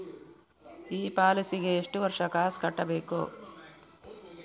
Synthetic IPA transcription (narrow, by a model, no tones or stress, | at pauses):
iːpaːlisiɡeːʂʈuʋɐɾʂɐkaːskɐʈːɐbeːko̰ː